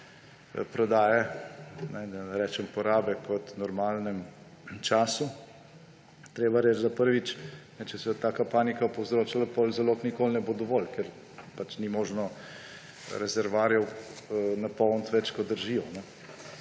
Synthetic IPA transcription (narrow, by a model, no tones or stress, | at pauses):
pɾɔd̪aːjɛnɛd̪aɾɛːt͡ʃɛmpɔɾaːbɛkɔt̪nɔɾmaːlnɛm | t͡ʃaːsu | t̪ɾeːbaɾed͡ʒzapəɾʋit͡ʃnɛt͡ʃɛsɛt̪aːkapaːnikapɔwzɾoːt͡ʃalapolzaloːknikoːlnɛbod̪ɔʋɔlkɛɾ | pat͡ʃnimɔːʒnɔ | ɾɛzɛɾʋaːɾjɛwnapɔnt̪ʋɛt͡ʃkɔd̪əɾʒiːjɔnɛ